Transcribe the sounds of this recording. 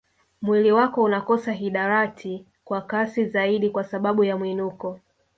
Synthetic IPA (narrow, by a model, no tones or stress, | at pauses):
mwiliwakɔunakɔsaɦiɗaɾatʰi | kwakasizaiɗikwasaɓaɓujamwinukɔ